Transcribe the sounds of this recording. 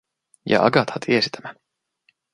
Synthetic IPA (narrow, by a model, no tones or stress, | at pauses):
jɑ̰ʔɑ̰ɡɑt̪hɑt̪ʰiesi̥t̪ʰæmæ